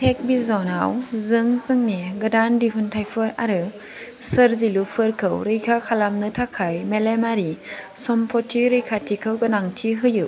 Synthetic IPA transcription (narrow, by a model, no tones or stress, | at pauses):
tʰek̚bizɔnawzɯŋzɯŋneɡɯdandiɦuntʰajpʰɯɾa̰ɾɯ | səɾzilupʰɯɾkʰɯwɾɯjkʰakʰalamnɯtʰakʰajmelemaɾisɔmpʰɔtʰiɾɯjkʰatʰikʰəwɡɯnaŋtʰiɦɯjɯ